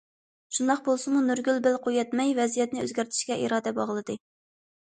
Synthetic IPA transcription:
ʃund̪ɑq̚bolˠsʊmunyɾɡʲylbɪlqʰojɛt̪mɛjvɛzijɛt̪nɪø̰zɡʲæɾt̪ʰɪ̥ʃkʲɛʔḭɾɑːd̪ɛbɑʁlˠɨd̪ɨ

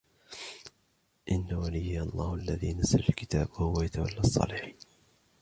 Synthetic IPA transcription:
ʔɪnːawalɪjːɑlˤːɑːhʊʔalːaðiːnasalalkɪt̪aːbʊhʊwajat̪awalːaːsˤːɑ̰ːlɪħiːn

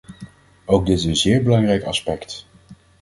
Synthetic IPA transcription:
owɡ̚dɪtənzɪːɹbəlɑŋrɛjkɑ̰spɛkt

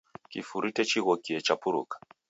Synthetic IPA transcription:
kifuɾitɛt͡ʃiɣɔkiɛt͡ʃapuɾṵkḁ

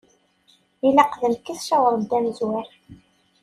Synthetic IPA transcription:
ilæqðəmkːiθʃæwəɾˤd̪ːæmzwæɾ

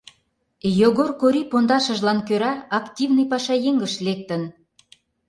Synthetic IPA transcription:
joɣorkoɾʲipond̪ɑʃə̆ʒlɑnkøɾɑɑktʲivnɨjpɑʃɑjeŋɡəʃlek̚t̪ən

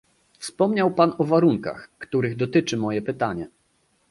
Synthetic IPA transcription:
fspɔmɲawpanɔvaɾuŋka̰xkt̪uɾɘɣd̪ɔt̪ɘt͡ʂɘmɔjɛpɘt̪aɲɛ

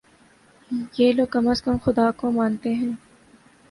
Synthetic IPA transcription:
jeːloːɡ̚kɐməskəmxʊd̪aːkomãːnt̪eɦɛ̃ː

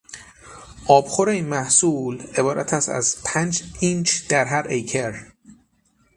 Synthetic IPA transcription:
ʔɒːb̥xoɾeinmæhsuːle̞bɒːɾʔæ̰t̪ʰæst̪æ̰zpʰænd͡ʒint͡ʃʰd̪̥æɾɦæɾʔejcʰeɾ

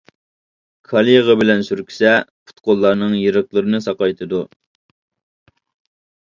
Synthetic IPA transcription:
kʰɑlˠijʁɑbɪlɛnsyɾkʲʰi̥sɛpʰu̥t̪qolˠːɑɾnɨŋjeɾəχlˠəɾɨnɨsɑqɑjt̪ʰɨd̪u

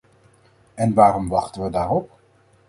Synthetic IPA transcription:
ɛnʋaːɾɔmʋɑχtənʋədaːrɔp̚

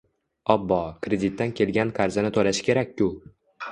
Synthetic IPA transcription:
ɒbːɒkɾed̪it̪ːankʲʰe̞lɡʲankʰaɾzɪnɪt̪ʰolaʃɪ̥kʲe̞ɾakʲːʊ

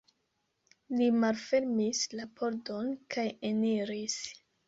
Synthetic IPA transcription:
limalfe̞ɾmislapʰo̞ɾdo̞nkʰajeniɾis

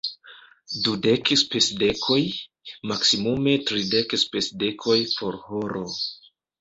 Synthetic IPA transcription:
dude̞kspesde̞kʰo̞j | maksimume̞tɾide̞kspesde̞kʰo̞jpo̞ɾhoɾʔo̞

